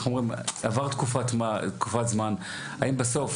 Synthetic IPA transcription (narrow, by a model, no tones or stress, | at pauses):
χnuomʁimavaʁt̪kufatmat̪kufat̪zman | aimbeso̞f